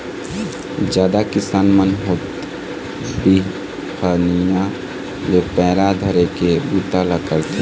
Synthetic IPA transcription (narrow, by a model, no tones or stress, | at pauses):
d͡ʒjaːd̪akɪsaːnmənɦot̪ | bi | xanija | lepɛːɾad̪ʱəɾekebut̪alakəɾt̪ʰe